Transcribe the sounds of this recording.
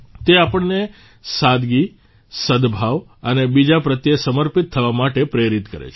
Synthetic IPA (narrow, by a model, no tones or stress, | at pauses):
t̪eapəɳne | sad̪ɡi | səd̪bʱaʋ | ənebid͡ʒapɾət̪jesəməɾpit̪ʰːəʋamaʈepɾeɾit̪kəɾḛt͡ʃʰ